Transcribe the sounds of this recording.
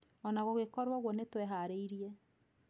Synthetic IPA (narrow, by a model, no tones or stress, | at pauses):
ɔnaɣoɣekɔɾwɔɣwɔnetwɛɦaɾeiɾiɛ